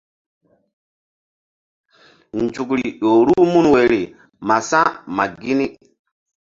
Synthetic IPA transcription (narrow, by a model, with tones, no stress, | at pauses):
n˨d͡ʒu˨kɾi˨ɗo˨ɾu˦mu˦nwe˨ɾi˨ | ma˨sã˦ma˨ɡi˦ni˦